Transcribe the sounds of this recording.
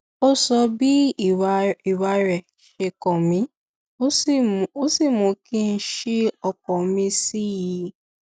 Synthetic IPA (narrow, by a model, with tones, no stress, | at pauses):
o˦sɔ˧bi˦˨ | i˨wa˧ɾɛ˨ | ʃe˧kɔ̃˨mĩ˧˦ | o˦˨o˦si˦˨mũ˨˧˦kĩ˦n̩˦ʃi˦ɔ˧k̚ɔ˨˦mĩ˧si˦ji˨˧˦